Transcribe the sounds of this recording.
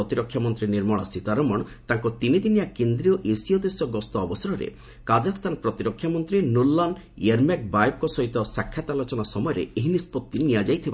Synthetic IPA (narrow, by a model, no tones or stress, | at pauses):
ɔt̪iɾɔkʰːjamɔnt̪ɾiniɾmɔɭa̰sit̪aɾɔmɔɽ̃t̪aŋkɔt̪inid̪inijakend̪ɾiɔʔesiɔd̪esɔɡɔst̪ɔːbɔsɔɾɔɾḛ | kad͡ʒakɔst̪ʰanɔpɾɔt̪iɾɔkʰːjamɔnt̪ɾinulːɔn | ieɾmak̚bajb̚kɔsɔɦit̪ɔsakʰːjat̪alot͡ʃɔnasɔmɔjɔɾḛeɦinispɔt̪ːinijad͡ʒajt̪ʰiba